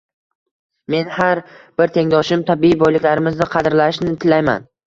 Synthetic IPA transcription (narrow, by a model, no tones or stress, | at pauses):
me̞nhaɾb̥ɪɾt̪ʰe̞ŋd̪ɒʃɪmt̪ʰabiibɒjlɪkʲlaɾɪmɪznɪqʰɑd̪ɾlaɪʃnɪt̪ʰɪlajma̰n